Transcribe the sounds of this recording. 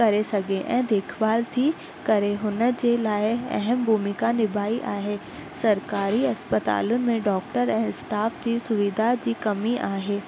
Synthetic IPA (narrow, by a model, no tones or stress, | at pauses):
kɐɾesɐɡʱeʔɛ̰̃ːd̪eːkʰʋaːlt̪ʰi | kɐɾeɦʊnə̆d͡ʑeːlaːɪɛ̰ɦəmbʱuːmɪkanɪbʱaːiʔaːɦeː | sɐɾkaːɾiɐspət̪a̰ːlʊnɪ̆mẽɖɔːk̚ʈəɾɛ̃ːsʈaːfd͡ʑiːsʊʋid̪ʱad͡ʑiːkɐmiʔaːɦeː